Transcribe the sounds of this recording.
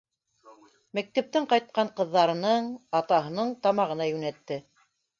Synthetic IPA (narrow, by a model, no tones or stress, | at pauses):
mæk̚t̪æp̚t̪ɘɴqɑjt̪̚qɑɴqɤ̆ðːɑɾɤ̆nɤɴɑt̪ɑɦɤ̆nɤɴt̪ɑmɑʁɤ̆nɑjʉnæt̪ːɘ